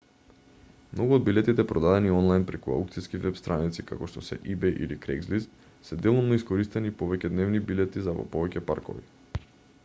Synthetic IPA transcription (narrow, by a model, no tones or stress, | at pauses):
mnoɡuod̪̚bilɛt̪it̪ɛpɾɔd̪ad̪ɛniɔnlˠajnpɾɛkua̰wk̚t̪siskivɛpst̪ɾanit̪sika̰kɔʃt̪ɔsɛ̰ʔibɛjʔḭlikɾɛ̰ɡzlis | sɛd̪ɛlˠumnɔiskoɾist̪ɛnipɔvɛcɛd̪nɛvnibilɛt̪izavɔ̰pɔvɛcɛpa̰ɾkɔ̰vḭ